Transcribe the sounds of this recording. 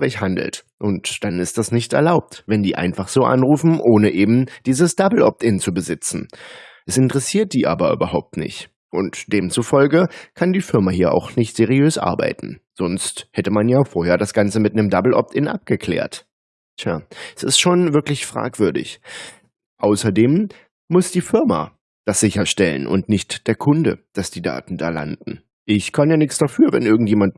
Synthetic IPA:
ʁɛçhandl̩t | ʔʊntd̥anɪstd̥asnɪçtɛ̰ɐlaʊp̚tvɛndiːʔa̰ɪnfaχz̥oːʔa̰nʁuːfn̩ʔoːnəʔeːbm̩d̥iːzəsd̥abl̩ʔɔ̰p̚tɪnt͡subəzɪt͡sn̩ʔɛsɪntəʁɛsiːɐt̚d̥iːʔa̰ːbɐʔy̰ːbɐhaʊp̚tnɪ̰çt | ʔʊntd̥eːmt͡sufɔlɡəkʰandiːfɪɐmahiːɐʔa̰ʊxnɪçtz̥eʁiøːsʔa̰ɐba̰ɪtn̩ | z̥ɔnsthɛtəmanjaːfoːɐheːɐdasɡ̥ant͡səmɪt̚nəmdabl̩ʔɔ̰p̚tɪnʔa̰p̚ɡ̥əkʰl̥ḛːɐt | tʰja̰ːɛsɪ̰stʃoːnvɪɐklɪçfʁ̥a̰ːkv̥ʏɐdɪ̰ç | ʔaʊsɐdeːmː | ʊsd̥iːfɪɐma̰ | d̥asz̥ɪçɐʃtɛlə̰nʔʊ̰ntnɪçtd̥eːɐkʰʊndə̰d̥asd̥iːda̰ːtn̩da̰ːla̰ndn̩ | ʔɪçkʰanjaːnɪçt͡sd̥afyːɐvɛ̰nʔɪɐɡŋ̩tjeːmant

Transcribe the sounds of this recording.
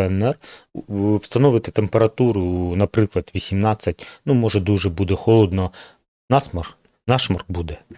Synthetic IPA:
ɛnɛr | wst̪ɐnɔʋɪt̪ɪt̪empeɾɐt̪uɾʊnɐpɾɪklˠɐd̪ʋʲisʲimnɑt͡sʲːɐtʲnumɔʒɛd̪uʒɛbud̪ɛxɔlˠɔd̪nɔ | nɑsmɐ | nɑʃmɐrkbud̪ɛ

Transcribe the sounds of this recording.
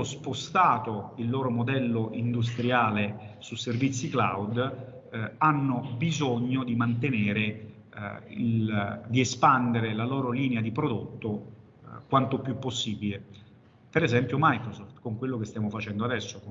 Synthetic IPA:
ospost̪aːt̪oilːɔːɾomod̪ɛlːoʔind̪us̬t̪ɾjaːlesuservit̪sːikla̰wd̪ | anːobizoɲːod̪imant̪eneːɾe | ḭld̪iespand̪eɾelalɔːɾoliːnead̪ipɾod̪ot̪ːo | kwant̪opjupːosːiːbile | peɾezɛmpjomajkɾosɔft̪koŋkwelːokest̪jaːmofat͡ʃɛnd̪oad̪ɛsːo

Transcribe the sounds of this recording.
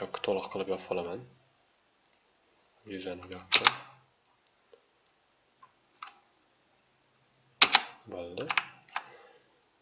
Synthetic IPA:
t͡ʃɒpkʲʰːḁt̪ʰolˠɨqqʰːɨlˠɪpjɒpʰɒlˠaman | jʊzanɪɡʲɒt̪ʰɪ | bold̪ɪ

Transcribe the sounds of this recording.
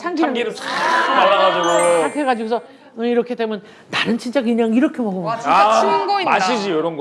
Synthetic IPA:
t͡ɕʰaŋkʰiɡiɾɯt͡ɕaalːaɡad͡ʑiɡoaŋkʰeɡad͡ʑiɡosʰʌ | iɾʌkʰedemjʌn | taɾɯnt͡ɕʰint͡ɕ͈aɡɯɲaŋiɾʌkʰemʌɡomianɡʌiaɕʰid͡ʑijoɾʌnɡ

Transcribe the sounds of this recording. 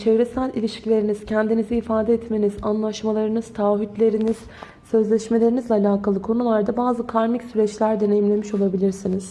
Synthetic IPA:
t͡ʃʰevɾesælʲilʲiʃcʰilʲe̞ɾiniz̥cʰɛnd̪iniziːfaːd̪ɛɛt̪me̞nizanlˠaʃmalˠaɾɯnɯz̥t̪ʰaːɦit̪lʲe̞ɾiniz̥ | sø̞zlʲɛʃme̞lʲe̞ɾinizlʲɛːlʲaːkalˠɯkʰo̞nulˠaɾd̪abaːzɯkʰaɾmicsyɾɛt͡ʃlʲæɾd̪e̞nejimlʲe̞miʃo̞lˠabilʲiɾsiniz̥

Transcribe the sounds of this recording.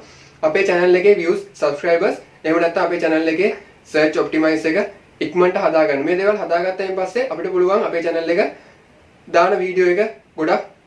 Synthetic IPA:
ɐpeːt͡ʃɛnəlːekeːʋjuːssɐbskɾajbəs | eːmənɛt̪ːãŋɐpeːt͡ʃɛnəlːekeː | səːɾt͡ʃop̚ʈimajsekə | ikməɳʈəɦɐd̪aːɡanːumeːd̪eːʋalɦad̪aːɡat̪ːajimpasːeʔɐpiʈəpuluʋaŋɐpeːt͡ʃɛnəlːekə | d̪aːnəʋiːɖijoːekəɡoɖak

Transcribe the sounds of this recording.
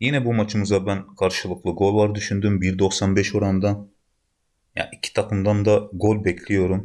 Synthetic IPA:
jinɛbumat͡ʃʰɯmɯzabænkʰaɾʃɯlˠɯklˠɯɡo̞lʲvaɾd̪yʃynd̪ymbiɾd̪o̞ksanbɛʃo̞ɾand̪an | ja̰ʔicʰi̥t̪ʰakʰɯmd̪and̪aɡo̞lʲbɛcʰlʲijo̞ɾum

